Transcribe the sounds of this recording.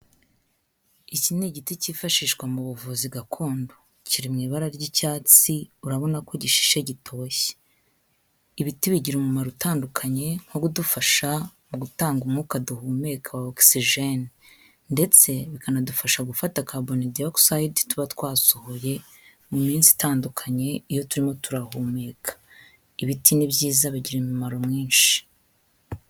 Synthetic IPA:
icineɟiticiːfaʃiːʃkwamuβuvuziɡakʰo̞ːndo | ciɾimŋiːβaɾaɾɟicaːt͡siuɾaβo̞nako̞ɟiʃi̥ʃe̞ɟitʰo̞ːçe̥ | iβitiβiɟiɾumumaɾutaːndukʰaɲe̞ŋ̥hoɡudufaʃamuɡutaːŋɡumŋukaduhuːmekʰaoksiʒen | nde̞t͡se̞βikanadufaʃaɡufatakabonidioksaidtuβatwaːsohoje̞ | mumiːnsi̥taːndukʰaɲe̞ijo̞tuɾimo̞tuɾahuːmeːkʰḁ | iβitʰinibjiːzaβiɟiɾemumaɾomŋiːnʃi̥

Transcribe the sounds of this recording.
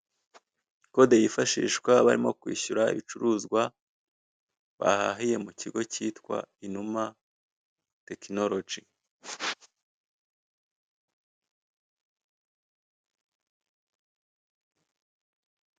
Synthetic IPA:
ko̞dejifaʃḭːʃkwaβaɾimo̞kwḭːɕuɾaḭβit͡ʃuɾuːzɡwa | βa̰ha̰ɦije̞muciɡo̞ciːtkwa̰inuma | te̞kinoɾo̞d͡ʒi

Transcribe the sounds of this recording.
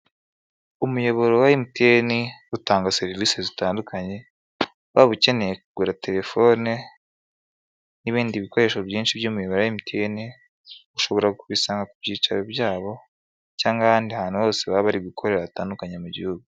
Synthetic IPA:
umujo̞βo̞ɾowaimiteniutaːŋɡase̞ɾivisezitaːndukʰaɲe̞ | βaβuce̞ne̞jekuɡuɾate̞ɾe̞fo̞ne | niβiːndiβiko̞ɾe̞ːʃobjiːnʃibjuːmujoβoɾoaimutieni | uʃo̞βo̞ɾaɡkuβisaːŋɡakubɟiːt͡ʃaɾebjaːβo̞ | caːŋɡaβaːndihaːn̥huβo̞ːse̞βaβaɾiɡikʰo̞ɾe̞ɾaβataːndukaɲemuɟḭhuɡu

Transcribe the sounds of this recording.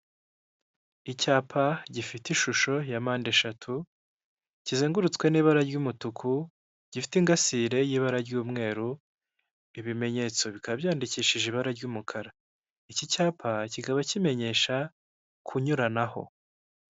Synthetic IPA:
icaːpʰaɟifitiʃuʃo̞jamaːnde̞ʃatʰu | ciziːŋɡuɾut͡skwe̞niːβaɾaɾɟumutukʰu | ɟ̥ifi̥tiŋɡasiɾe̞jiːβaɾaɾɟuːmŋe̞ːɾu | iβime̞ɲe̞t͡so̞βikaβabjaːndiciːʃiʒiβaɾaɾɟuːmukʰaɾa | icicaːpʰacikaβacime̞ɲe̞ʃa | kʰuɲuɾanaho̞̰

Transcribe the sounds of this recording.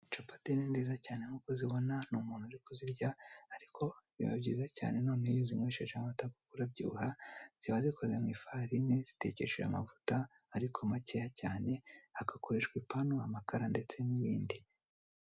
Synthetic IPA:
t͡ʃapḁtininziːzacaːne̞ŋuːko̞ziβo̞nanumuːn̥huaɾikoziɾɟaaɾikʰo̞zḭβa̰bɟiːzaca̰ːne̞no̞ːneijozimŋeːʃeʒeamatakukuɾabɟṵːhaz̥iβaziko̞zemŋiːfaɾinez̥i̥te̞̰ce̞̰ʃḛa̰ma̰vu̥taː | ɾikʰomacehacaːne̞aɡako̞ɾe̞ʃkwipanoamakaɾande̞t͡se̞niβiːndi

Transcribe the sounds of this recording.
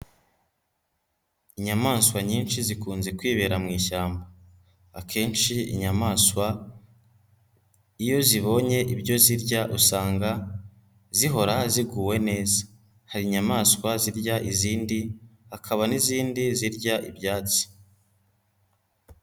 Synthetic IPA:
iɲamaːnswaɲiːnʃizikuːnzekwiːβe̞ːɾamŋiːʃaːmba | a̰kʰe̞ːnʃiḭɲamaːswa | ijo̞ziβo̞ɲe̞ʔibɟo̞ziɾɟaʔusaːŋɡa | ziɦo̞ɾaziɡuːwe̞ne̞ːzḁ | haɾiɲamaːskwaziɾɟaʔiziːndihakʰaβaniziːndiziɾɟaʔibjaːt͡si̥

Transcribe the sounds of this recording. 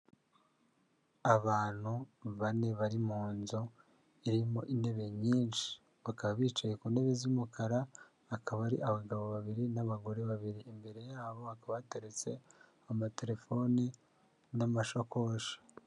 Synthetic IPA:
aβaːn̥huβane̞βaɾimuːnzo | iɾimo̞ʔinde̞βe̞ɲiːnʃi̥ | βakaβaβiːt͡ʃaje̞kuːnde̞βezimukʰaɾaː | kʰaβaɾiʔaβaɡaβo̞βaβiɾinaβaɡo̞ɾeβaβiɾiʔimbe̞ɾe̞jaːβo̞akaβaate̞ɾet͡se̞ | amate̞ɾe̞fo̞ni | namaʃokoʃḁ

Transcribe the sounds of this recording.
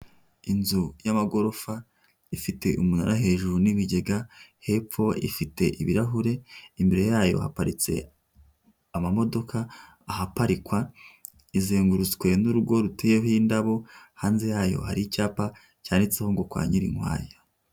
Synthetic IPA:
inzujamaɡo̞ɾo̞fa | ifite̞ʔumunaɾaɦe̞ːʒuɾuniβiɟe̞ɡahe̞p͡fo̞ḭfite̞ʔiβiɾaɦuɾe̞imbeɾe̞jaːjo̞̰ha̰paɾit͡se̞̰ | amamo̞do̞kʰaː | hapaɾikwa | izeːŋɡuɾut͡swe̞nuɾuɡo̞ɾutʰejeɦindaβo̞haːnze̞jaːjo̞̰haɾiicaːpa | caːndit͡seho̞ŋɡo̞kwa̰ːɲiɾiŋwa̰ːja

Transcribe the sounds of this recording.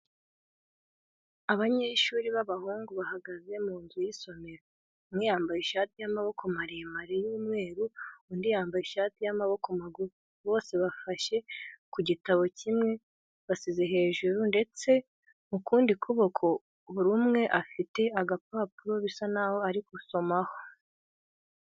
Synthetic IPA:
aβaɲeʃuːɾiβaβahuːŋɡuβahaɡaze̞muːnzujiso̞me̞ɾa | mŋiːjaːmbajeʃaːtijamaβo̞kʰomaɾemaɾejiːmwe̞ːɾuundijaːmbajiʃaːtijamaβo̞komaɡu | βo̞ːse̞βafaʃe̞kuɟitaβo̞cʰimŋe̞ | βasizeɦe̞ːʒuɾunde̞t͡se̞ | mukuːndikʰuβo̞kʰo | βuɾumŋe̞ʔafite̞aɡapaːpuɾo̞βisanaːho̞aɾikuso̞maho̞

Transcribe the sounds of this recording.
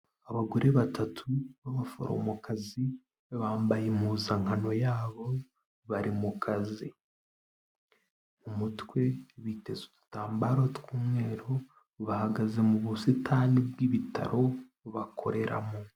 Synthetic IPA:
aβaɡoɾeβatʰatʰuβaβafo̰ɾo̰mukazi | βaːmbajemuzaŋano̞jaːβo̞ | βaɾimukʰazi | mumutkwe̞βite̞zutu̥taːmbaɾotkuːmŋe̞ːɾo̞ | βahaɡaze̞muβusitʰanib̚ɡiβita̰ɾʔo̞ | βakʰo̞̰ɾe̞ɾa̰mo

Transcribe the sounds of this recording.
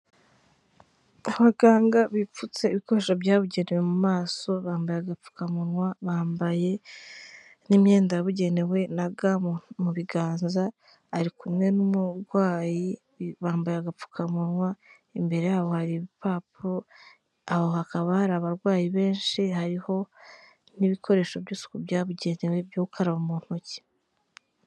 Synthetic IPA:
aβaɡ̥aːŋɡaβip͡fut͡se̞iβiko̞ɾeʃobjaːβuɟe̞newe̞mumaːso̞βaːmbajaɡap͡fu̥kamuɾŋwaβaːmbaje̞ | nimje̞ːndaβuɟe̞newe̞naɡamuβiɡaːnzaː | ɾikumŋe̞numuɾɡwaːji | βaːmbajeaɡap͡fu̥kʰamunwa | imbe̞ɾe̞jaːβo̞haɾiβipaːpo | aho̞hakaβahaɾaːβaɾɡwaːjiβe̞ːnʃihaɾiho̞ | niβikʰo̞ɾe̞ːʃobɟuːsu̥kubjaːβuɟe̞ne̞we̞bjoːβukʰaɾaβumuːn̥hoci̥

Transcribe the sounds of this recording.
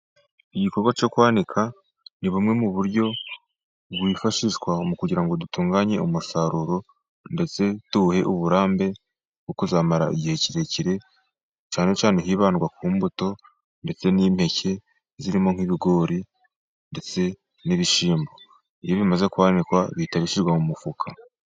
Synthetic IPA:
iɟiko̞ɾɡwat͡ʃo̞kwaːnikʰa | niβumŋe̞muβuɾɟo̞ | bɡwiːfaʃiʒɡwamukuɟiɾaŋɡo̞dutuːŋɡaɲe̞̰umusaɾuɾo̞ | nde̞t͡se̞tuhe̞ʔuβuɾaːmbe̞ | bɡukuzaːmaɾa̰ḭɟihe̞ciɾe̞ciɾe̞ | t͡ʃaːne̞t͡ʃaːneɦiːβaːnɡwakuːmbuto̞ | nde̞t͡se̞niːm̥he̞cʰe̞ | ziɾimo̞ŋ̥hiβiɡo̞ːɾi | nde̞t͡se̞ | niβiʃiːmbo̞ | ijo̞βimaze̞kuaːnikwaβitaβiʃiɾɡwamumufukʰa

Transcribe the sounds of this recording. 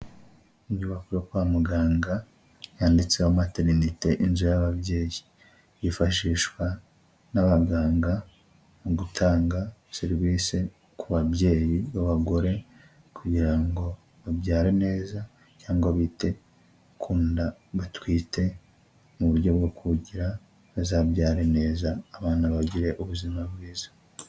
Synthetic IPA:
ijuβakuɾokwamuɡaːŋɡa | jaːndit͡sehomate̞ɾinite̞ʔinzujaβaβje̞ːji | jifaʃiʃwa | naβaɡaːŋɡa | muɡutʰaːŋɡaseɾiβiːse | kuβaβje̞ːjiβaβaɡo̞ɾe̞ | kʰuɟiɾaŋɡo̞ | βabjaːɾene̞ːza | caːŋɡwaβiːte̞ | kʰuːndaβatwiːte̞ | muβuɾɟo̞bɡokʰuɟiɾa | azaːbjaːɾene̞ːzaːβaːnaβaɟiɾe̞ʔuβuzimabɡiːzḁ

